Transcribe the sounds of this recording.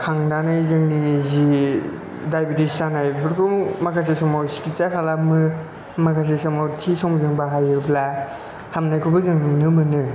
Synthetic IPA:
kʰaŋdanajzɯŋnizi | dajbitisanajbʰɯɾkʰɔmakʰas̬esɔmawsi̥kit͡ʃakʰalamɯ | makʰas̬esɔmawtʰisɔmzɯŋbaɦajɯpʰla | hamnajkʰɔbɯzɯŋnɯmnɯmɯnɯ

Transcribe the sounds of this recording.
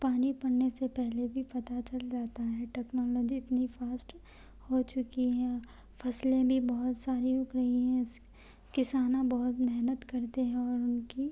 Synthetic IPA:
paːnipɐɽnesepɛɦlebʱipɐt̪at͡ʃɐld͡ʒaːt̪aɦɛʈɛːknɔːlɔːd͡ʒiɪt̪nifaːsʈ | hot͡ʃʊkiɦɛ̃ | fʰɐslẽbʱibɔɦʊt̪saːɾiʊkɾɐɦiɦɛ̃s | kɪsaːnãbɐɦʊt̪mɛɦnət̪kɐɾt̪eɦɛ̃ɔːɾʊnki

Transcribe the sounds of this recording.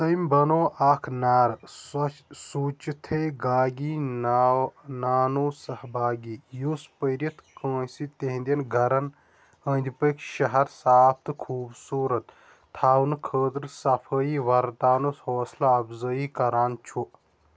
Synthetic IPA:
səjmbɐnoːʔaːkʰnaːɾ | suːt͡ʃit̪ʰeɡaːɡiːn | naːnusɐhbʱaːɡiːjuspəɾjɐt̪kə̃ːsit̪eɦnd̪ʲɐnɡʱɐɾɐn | ə̃ːnd̪ipəkʰʃɐɦɐɾsaːp̚ʰt̪ɨkʰuːbsuːɾɐt̪ | t̪ʰːaːwnkʰəːt̪ɾsɐpʰəːiːʋɐɾt̪aːnushoːslaɐbzəikɐɾaːnt͡ʃʰu

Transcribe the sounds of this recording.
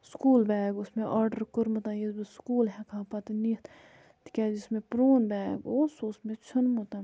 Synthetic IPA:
skuːlbɛːɡʊsmẽʔɔːɾɖəɾkʊɾmɐt̪ãːjisbiskuːlɦɛkʰaːpaːt̪init̪ʰ | t̪i̥kʲɛːd͡ʒismẽpɾoːnbɛːɡoːsosmẽt͡ʃʰʊnmut̪ã

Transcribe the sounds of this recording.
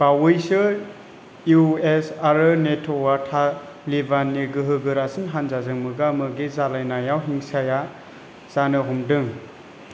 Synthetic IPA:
b̥awɯjsɯ | juesaɾɯnetʰowatʰa | libanːiɡɯɦɯɡɯɾasɯnɦanzazɯŋmɯɡamɯɡizalajnajawɦiŋsaja | z̥anɯɦɔmdɯŋ

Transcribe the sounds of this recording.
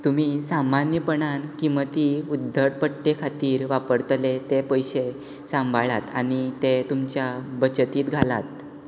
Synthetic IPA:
t̪um̤isamanjəpəɳankimət̪iud̪ʱːəʈ̚pəʈːekʰat̪iːɾʋapəɾt̪let̪epəjɕe | sãmbʱaɭat̪a̰ñit̪et̪umt͡ɕjabət͡ɕət̪iːt̪ɡʱalat̪̚

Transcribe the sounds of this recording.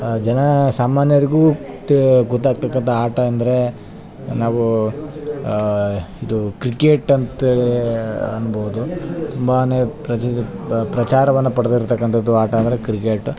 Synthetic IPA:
d͡ʒɐnɐsaːmaːnjɐɾiɡuː | ɡɔt̪ːaːɡ̚t̪ɐkːɐnt̪ʰɐaːʈɐːnd̪ɐɾe̞ | naːʋu | id̪ukɾikeːʈɐnt̪eːleɐnːbɐʋud̪ut̪umbaːneːpɾɐ | pɾɐt͡ʃaːɾɐʋɐnːɐpɐɽɐd̪iɾt̪ɐkːɐnt̪ʰɐd̪ːuaːʈɐɐnd̪ɐɾekɾikeːʈ

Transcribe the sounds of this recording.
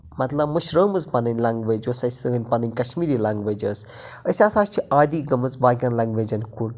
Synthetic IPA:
mɐt̪lɐbmuʃɾəːmɨzpɐnɐnʲlaːŋɡʋəːd͡ʒoːsɐsɨɡənʲpɐnənʲkɐʃmiːɾiːlaːŋɡʋəd͡ʒəːsəsʲaːsaːt͡ʃʰiʔaːd̪iːɡɐmɨzbaːɡʲaːnlaːŋɡʋeːd͡ʒɐnkun

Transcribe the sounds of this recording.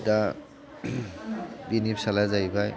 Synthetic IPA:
ta | ɡinipsalazajbaj

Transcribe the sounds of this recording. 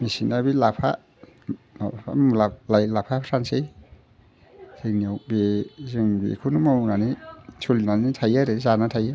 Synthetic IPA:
misinabilapʰa̰ | naa̰mlalajlapʰasʰansej | ziŋniawbezɯŋbḛkʰunumawnanisulinanitʰajaɾezanatʰaja

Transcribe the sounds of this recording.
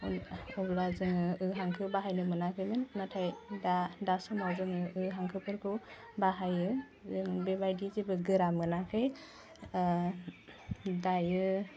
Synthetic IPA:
ɔblazɯŋɯɯɦaŋkʰɯbaɦajnɯmɯnakʰɯjmɯnːatʰajdadasɔmawzɯŋɯɯɦaŋkʰɯpʰɯɾkʰɯw | baɦajɯ | zɯŋbebajdizebɯɡɯɾamɯnakʰɯj | dajɯ

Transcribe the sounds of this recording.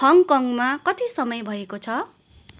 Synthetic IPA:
ʌŋkʌŋmakʌt̪isʌmʌjbʱʌekot͡sʰʌ

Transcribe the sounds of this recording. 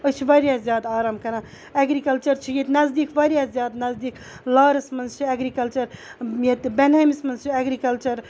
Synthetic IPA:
ət͡ʃʰiʋɐɾjazjaːd̪aːɾaːmkɐɾã | eɡɾikɐlt͡ʃɐɾt͡ʃʰijet̪nɐzd̪iːkʋɐɾjazʲjaːd̪nɐzd̪iːk | laːɾɐsmɐnzt͡ʃʰiɐɡɾikɐlt͡ʃɐɾjet̪benɐjmismɐnzt͡ʃʰiɐɡɾikɐlt͡ʃɐɾ

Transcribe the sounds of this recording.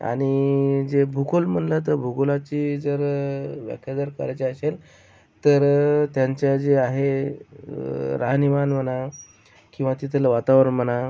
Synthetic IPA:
a̰ɽ̃id͡zebʱukolm̤əɳlat̪̬əɾbʱuɡolat͡ɕiːd͡zəɾʋja̰kʰjad̪əɾka̰ɾat͡ɕeəɕel | t̪əɾt̪jaɲt͡ɕjad͡zeaɦe | ɾaɦnimanʋəna | kĩw̃ʋat̪it̪ʰələʋat̪aʋɾəməna

